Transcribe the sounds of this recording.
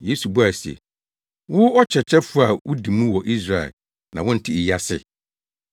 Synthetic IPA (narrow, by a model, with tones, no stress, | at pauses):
je˨˦su˨bu˦a˨sɛ̰˨ | wʊ˦ɔ˦t͡ɕʰɛ˨t͡ɕʰɛ˦fʊ˦a˨wʊ˦di˨mũ˦wɔ˨ʔi˦s̬ɾa˦ɛ̰˨l | nã˨wʊ̃˦n̩˨tʰɪ˦ɪ˨ja˦sɪ̰˦˨